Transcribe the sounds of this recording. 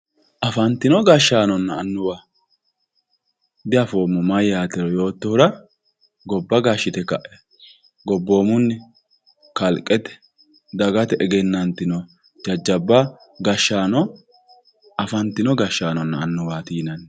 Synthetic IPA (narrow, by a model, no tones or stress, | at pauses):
ʔɐfɐnt̪ːɪnɔɡaʃːaːnɔnːɐːnːʊwaː | d̪ɪɐfoːmːɔmɐjjaːt̪ɛɾɔjo̞ːt̪ːɔhʊɾɐ | ɡɔbːɐɡaʃːɪt̪ɛkɐ̰ʔɛ̥ | ɡɔbːo̞ːmʊnːɪ | kɐlkʼːɛt̪ɛ̥ | d̪ɐɡɐt̪ɛʔɛɡɛnːɐnt̪ɪnɔ | d͡ʒɐd͡ʒːɐbːɐ | ɡɐʃːaːnɔ | ɐfɐnt̪ɪnɔɡɐʃːaːnɔnːɐːnːʊwaːt̪iːnɐn